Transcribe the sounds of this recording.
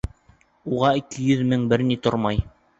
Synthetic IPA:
uʁɑikɘjɵðmɘŋbɘɾnit̪oɾmɑj

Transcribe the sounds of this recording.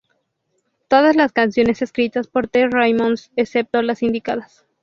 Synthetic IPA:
t̪o̞ð̞azlaskansjo̞ne̞se̞skɾit̪aspo̞ɾt̪erajmonsesep̚t̪olasind̪ikaðas

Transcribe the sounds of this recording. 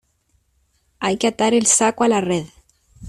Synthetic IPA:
ajkat̪aɾelsakwalareð

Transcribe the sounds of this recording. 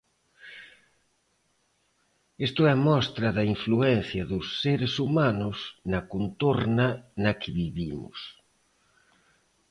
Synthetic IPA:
est̪ʊɛmɔst̪ɾɐðɐiɱfluɛnθjɐðʊsːeɾesumanʊsnakont̪oɾnanɐkʰɪβiβimʊ̰s

